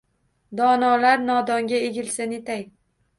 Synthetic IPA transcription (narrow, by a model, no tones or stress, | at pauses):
d̪ɒnɒlaɾnɒd̪ɒŋɡʲaeɡʲɪlsanet̪ʰaj